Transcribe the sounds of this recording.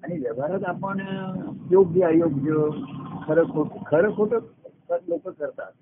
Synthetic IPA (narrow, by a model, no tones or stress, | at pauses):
aniʋəbʱaɾət̪apəɳjoɡjəajoɡjəkʰəɾəkʰoʈkʰəɾəkʰoʈə | əlokəkəɾt̪a̰t̪